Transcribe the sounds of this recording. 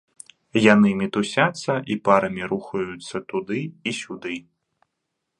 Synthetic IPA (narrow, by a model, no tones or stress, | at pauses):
janɨmʲit̪usʲat̪sːɐʔipaɾɐmʲiɾuxɐjut̪sːɐt̪ud̪ɨisʲud̪ɨ